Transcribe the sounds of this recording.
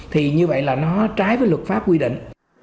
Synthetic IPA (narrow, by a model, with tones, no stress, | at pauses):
t̪ʰi˨˩ɲɨ˧və̰˧˨jlaː˨˩nɔ˨˦t͡ɕaː˨˦jvəː˨˦jlwə˨˩t̚faː˦˥p̚kwi˧ɗḭ˧˨ŋ̟